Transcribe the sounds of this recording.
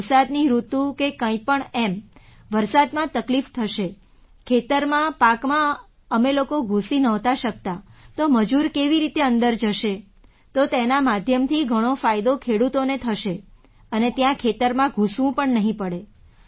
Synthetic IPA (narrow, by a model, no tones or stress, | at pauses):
ɾsad̪niɾut̪ũkekə̃ĩpəɳemʋəɾsad̪mãt̪əklift̪ʰəʃe | kʰet̪əɾmãpakmã | əmelokoɡʱũsinəɦt̪aʃək̚t̪at̪oməd͡ʒuɾkeʋiɾit̪eənd̪əɾd͡ʒəʃe | t̪ot̪enamad̪ʱjəmt̪ʰiɡʱəɽ̃ofajd̪okʰeɽut̪onet̪ʰəʃe | ənet̪jãkʰet̪əɾmãɡʱũsʋũpəɳnəɦĩpəɽe